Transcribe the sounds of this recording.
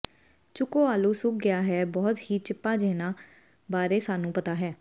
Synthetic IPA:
t͡ʃʊkoːaːluːsʊk̚ɡɪaːɦɛːbɔːt̪hiːt͡ʃɪpːaːd͡ʒeːnãː | baːɾeːsaːnũːpət̪aːɦɛː

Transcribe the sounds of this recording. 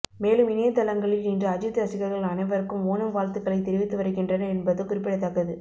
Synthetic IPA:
meːlɯmɪneːt̪ːɐlɐŋɡɐɭɪlnindrɯɐd͡ʒɯt̪ːɐsɪɣɐɾɣɐɭɐnɐɪʋɐɾɯkːɯmoːnɐmʋaːlt̪ɯkːɐɭɐɪt̪ːɛɾɪʋɪt̪ːɯʋɐɾɯkɪndrɐnɐɛnbɐðɯkʊrɪpːɪɽɐɪt̪ːɐkːɐðɯ

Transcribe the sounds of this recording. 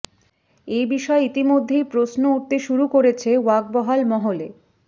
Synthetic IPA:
ejbiʃɔeit̪imod̪ʱːejpɾosnouʈ̚t̪eʃuɾukoɾet͡ɕʰewak̚bɔɦalmɔɦole

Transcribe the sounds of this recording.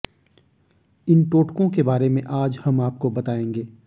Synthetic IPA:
ɪnʈoːʈkõkebaːɾemẽʔaːd͡ʒhɐmaːp̚kobɐt̪aːẽːŋɡeː

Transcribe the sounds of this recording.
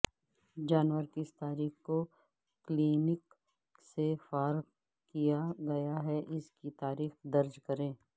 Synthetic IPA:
d͡ʒaːnʋəɾkɪɪst̪aːɾiːxko | kliːnɪk | sefaːɾ | kijaɡɐjaɦɛʔɪskit̪aːɾiːxd̪ɐɾd͡ʒkɐɾẽː

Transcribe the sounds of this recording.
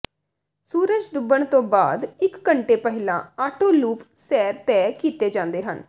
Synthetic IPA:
suːɾəd͡ʒɖʊbːəɳt̪õːbaːd̪ɪkːəɳʈeːpəɦɪlã̰ːaːʈoːluːpsɛːɾt̪ɛːkiːt̪eːd͡ʒãːnd̪eːɦə̰n

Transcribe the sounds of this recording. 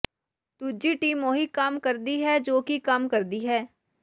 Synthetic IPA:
t̪ud͡ʒiːʈiːmõːɦikaːmkəɾd̪iɦɛːd͡ʒoːkikamkəɾd̪iːɦɛː

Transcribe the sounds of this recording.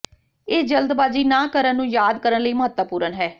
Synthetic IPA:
eːd͡ʒəld̪baːd͡ʒiːnãːkəɾənːũːjaːd̪kəɾənləiːməɦət̪ːəpuːɾənɦɛː

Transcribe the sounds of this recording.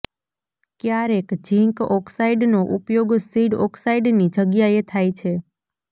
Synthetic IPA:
kjaɾekd͡ʒĩŋkɔksaiɖnoʔupjoɡsiɖɔksaiɖnid͡ʒəɡjaet̪ʰajt͡ʃʰe

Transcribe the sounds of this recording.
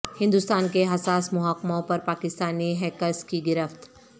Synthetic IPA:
hɪ̃nd̪ʊst̪aːnkeɦɐsaːsmʊɦaːkmõpɐɾpaːkɪst̪aːniɦɛkəɾskiɡɪɾəft̪

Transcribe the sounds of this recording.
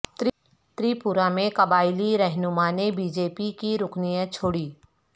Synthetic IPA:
t̪ | t̪ɾiːpʊɾamẽkɐbaːɪliɾɛɦnʊmaːnebiːd͡ʒeːpikiɾʊknijãt͡ʃʰoːɽiː

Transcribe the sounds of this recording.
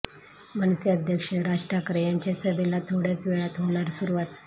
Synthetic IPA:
mənsiəd̪ʱjəkʂəɾaʂʈɾakɾəjaɲt͡ɕasəbelat̪ʰoɽjat͡sʋeɭat̪ɦolaɾsuɾuʋat̪

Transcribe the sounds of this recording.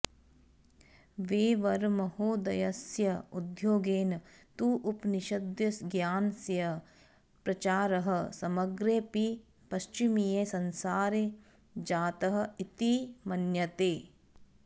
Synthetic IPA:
ʋeːʋɐɾmɐhoːd̪ɐjɐsjɐud̪joːɡeːnt̪uːʔʊpniʃɐd̪jɐsɡjaːnsjɐ | pɾɐt͡ʃaːɾɐɦɐ̆sɐmɐɡɾeːpi | pɐʃt͡ʃimijeːsɐnsaːɾe | d͡ʒaːt̪ɐɦɐ̆it̪imɐnjɐt̪eː

